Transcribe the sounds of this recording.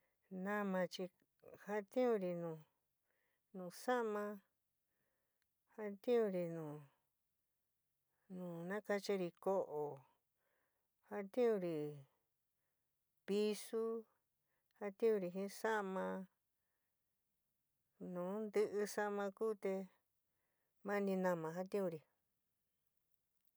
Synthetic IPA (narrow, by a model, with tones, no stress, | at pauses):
nã˦mã˧t͡ʃi˧ | ha˧t̪ĩ˦ũ˧ɾi˧nũː˨ | nũ˨sa˦ʔmã˧ | ha˧t̪ĩ˦ũ˧ɾi˧nũː˨ | nũː˨nã˦ka˧t͡ʃi˧ɾi˧ko˦ʔo˨ | ha˧t̪ĩ˦ũ˧ɾi˨ | pi˧su˦ | ha˧t̪ĩ˦ũ˧ɾi˧ɦĩ˦sa˦ʔmã˧ | nũː˨˦nd̪ɨ˧ʔɨ˧sa˦ʔmã˧kuː˦t̪e˧ | mã˦nĩ˧nã˧mã˧ɦa˧t̪ĩ˦ũ˧ɾi˨